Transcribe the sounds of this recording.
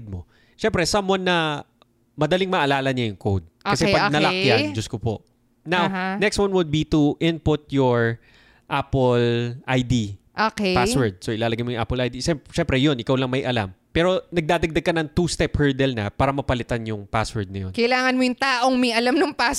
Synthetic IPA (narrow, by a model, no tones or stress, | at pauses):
d̪̚mo | ʃɛmpɾɛsɐmanːɐ | mɐd̪ɐliŋmɐʔɐlaːlɐɲajʊŋkowd̪̚ʔkɐsɛpɐɡnɐlɐkjand͡ʒʊskopo̰ | nawnɛkst̪wanwʊd̪̚bit̪uʔɪnpʊt̪̚joɹ | ʔapɛlʔajd̪iʔokpaswɛɹd̪̚soʔɪlaːlɐɡɐjmojʊŋa̰pɛlʔajd̪iʃɛʃɛmpɾɛjonʔɪkawlɐŋmɐjʔɐla̰mpɛːɾo̞nɐɡ̚d̪aːd̪ɐɡ̚d̪ɐɡ̚kɐnɐŋt̪ust̪ɛphɛɹd̪ɛlnɐ̰paːɾɐmɐpɐlɪt̪anjʊŋpaswɛɹd̪̚nɐjo̞nkɐʔɪlaːŋɐnmojʊŋt̪aːʔoŋmɐjʔɐlamnʊŋpas